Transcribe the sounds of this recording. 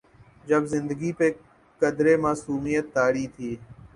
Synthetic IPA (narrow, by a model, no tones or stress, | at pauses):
d͡ʒəbzɪnd̪əɡiːpeː | kəd̪ɾeːmaːsuːmiːjət̪ːaːɽiːt̪ʰiː